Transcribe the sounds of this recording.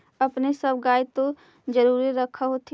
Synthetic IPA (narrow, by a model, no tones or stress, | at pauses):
əpnesəbɡaːjt̪o | d͡ʒəɾuːɾiɾəkʰaɦot̪ʰ